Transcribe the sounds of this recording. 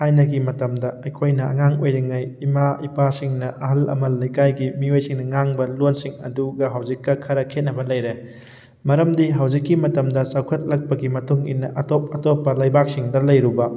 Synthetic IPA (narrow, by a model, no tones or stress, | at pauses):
hajnɐɡimɐtɐmdɐɐjkʰojnɐɐ̰ŋaŋojɾiŋɐjimaipasiŋnɐʔɐɦɐlɐ̰mɐlːɐjkajɡimiojsiŋnɐŋaŋbɐlonsiŋɐ̰duɡɐɦawd͡ʒikːɐkʰɐɾɐkʰet̚nɐbɐlɐjɾe | mɐɾɐmdiɦɐwd͡ʒikːimɐtɐmdɐt͡ʃawkʰɐt̚lɐk̚pɐɡimɐtuŋḭnːɐʔɐtop̚ɐtopːɐlɐjbak̚siŋdɐlɐjɾubɐ